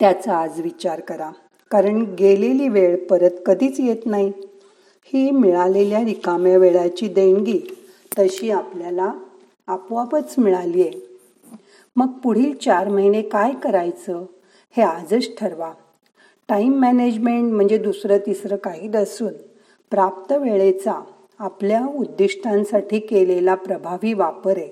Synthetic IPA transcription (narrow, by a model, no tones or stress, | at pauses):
t̪jat͡səad͡zʋit͡ɕaɾkəɾa | kaɾəɳɡeleliːʋeɭpəɾət̪kəd̪ʱiːt͡sjet̪naɦi | hiːmiɭaleljaɾikamjaʋeɭat͡ɕiːd̪eŋɡiː | t̪əɕiːapljalaː | pʋapət͡smiɭalije | məɡ̚puɽ̤iːlt͡ɕaɾməɦinekajkəɾajt͡sə | head͡zəɕʈʰəɾʋa | ʈaimːæned͡ʑmeɳʈm̤əɳd͡zed̪usɾət̪isɾəkaɦiːd̪əsuːn | pɾap̚t̪əʋeɭet͡saː | pljaud̪ːiʂʈʰãnsaʈʰiːkelelapɾəbʱaʋiːʋapəɾe